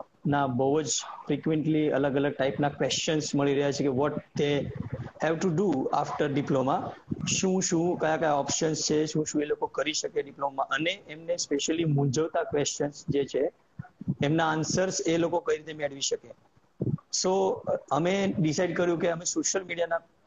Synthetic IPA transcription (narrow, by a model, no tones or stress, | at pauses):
nabəɦud͡ʒfɾikʋeɳʈliə̰ləɡələɡ̚ʈaipnakʋest͡ʃənsməɭiɾəɦjat͡ʃʰekeʋɔʈ̚d̪ehɛʋʈuɖua̰fʈəɾɖiplomaʃũʃũkəjakajaɔpʃənst͡ʃʰeʃũʃũelokokəɾiʃəkeɖiplomãʔəneemnespeʃəlimũd͡ʒəʋt̪akʋest͡ʃənsd͡ʒet͡ʃʰeː | mnaːnsəɾselokokəiɾit̪emeɽʋiʃəke | soəmeɖisaiɖkəɾjũkeəmesoʃjəlmiɽijana